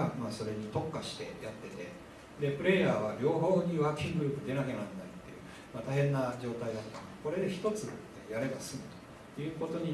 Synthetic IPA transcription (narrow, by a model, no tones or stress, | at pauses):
maːso̞ɾe̞ɲ̟it̪o̞kːaɕi̥t̪e̞̰jat̪ːe̞t̪e̞̰ | d̪e̞pɯ̟ɾe̞jaːβ̞aɾʲo̞ːɦo̞ːɲ̟iβakʲĩŋɡɯɾɯ̟ːpɯ̟d̪e̞nake̞nand̪ait̪ːe̞̰jɯ̟̰ | mat̪aɦẽ̞nːad͡ʑo̞ːt̪aid̪at̪ːok̪anko̞ɾe̞d̪e̞çi̥t̪o̞t͡sɨ | jaɾe̞basɨmɯ̟t̪o̥ | jɯ̟ːko̞t̪o̞ɲ̟i